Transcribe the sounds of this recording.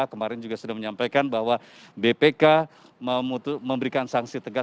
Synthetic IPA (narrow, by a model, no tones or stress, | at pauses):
kəmaɾɛnd͡ʒuɡasudahməɲampajkanbahwa | bepeka | məmut̪məmbəɾikansaŋsit̪əɡa